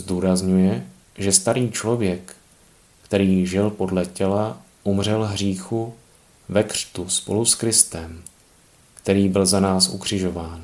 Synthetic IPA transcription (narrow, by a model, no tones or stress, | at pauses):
zd̪uːɾazɲujɛ | ʒɛst̪aɾiːt͡ʃlo̞vjɛkː | t̪ɛɾiːʒɪlpo̞dlɛcɛla | ʔumr̝ɛlɦriːxu | vɛkr̥t̪uspo̞̰luskɾɪst̪ɛm | kt̪ɛɾiːbɪlzanaːsukr̝̥ɪʒo̞vaːn